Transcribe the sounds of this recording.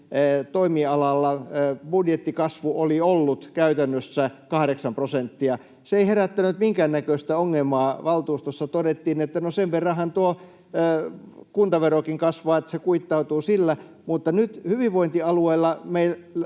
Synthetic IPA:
t̪oimiɑlɑlːɑbudjet̪ːikɑsʋuoliolːut̪kæyt̪ænːøsːækɑhɾeksɑmprosent̪ːiɑ | seeiheræt̪ːænyt̪miŋkæːnːækøist̪æoŋːemˑɑːʋɑlt̪uːst̪osːɑt̪odet̪ːiːnet̪ːænoseʋʋerːɑhɑnt̪uo | kunt̪ɑʋerokiŋkɑsʋɑːet̪ːæ̥sekuit̪ːɑut̪uːsilːæ | mut̪ːɑnyt̪hyʋiʋʋoint̪iɑlueilːɑmeil

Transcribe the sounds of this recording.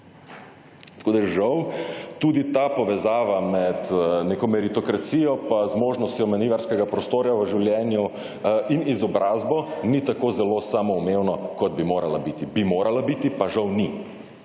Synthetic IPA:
t̪ɐ̥koːd̪ajɛʒawt̪uːd̪it̪apɔʋɛzaːʋamɛt̪nekɔmɛɾit̪ɔkɾat̪siːjɔpazmoːʒnɔst̪jɔmɛniʋaɾskɛɡapɾɔst̪oːɾjaʋəʒiwljɛːnju | inizɔbɾʔaːzbɔnit̪akozɛlosaːmɔumeːwnɔkɔd̪̚bimoːɾalabit̪ibimoːɾalabiːt̪ipaʒawni

